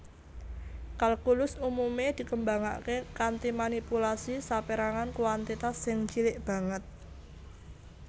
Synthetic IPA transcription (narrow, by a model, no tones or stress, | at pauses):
kalkulʊsumumed̪̥i̤kəmbaŋa̰ʔkekant̪imanipulasisapeɾaŋankuwant̪it̪asːɪŋt͡ʃilɪʔb̥a̤ŋət̪̚